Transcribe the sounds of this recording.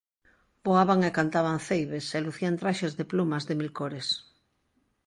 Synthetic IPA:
b̥oaβaŋekant̪aβ̞aŋθejβeseluθiant̪ɾaʃezðeplumazðemilkoɾes

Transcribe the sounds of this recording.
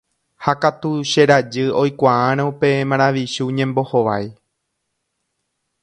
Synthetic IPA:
hakat̪uʃeɾad͡ʒɨo̞jkʷaãɾ̃ãũpe̞mãɾ̃aʋiʃuɲẽ̞mbo̞ho̞ʋaj

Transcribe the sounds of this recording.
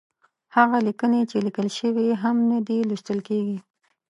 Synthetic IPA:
haɣalikənet͡ʃelikəlʃəwiɦamnad̪iliʃt̪əlkeɡi

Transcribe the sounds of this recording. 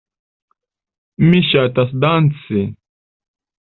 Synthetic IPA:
mɪʃat̪asd̪ant͡sɪ

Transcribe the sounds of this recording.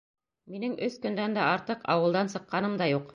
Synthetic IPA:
minɘŋɵθkɵ̆nd̪ænd̪æɑɾt̪ɤqɑ̰wɤ̆lˠd̪ɑnsɤ̆qːɑnɤmd̪ɑjuq

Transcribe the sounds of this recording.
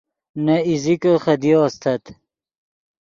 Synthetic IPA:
nɐizikəχɐd̪ioːst̪ʰɐt̪

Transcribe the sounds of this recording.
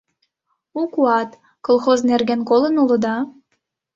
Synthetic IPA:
ukuɑt̪ | kolˠxoznerɣenkolənulə̆d̪ɑ

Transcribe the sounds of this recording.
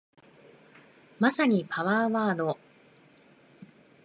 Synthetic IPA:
masaɲ̟ipʰaβaːβaːd̪o̞

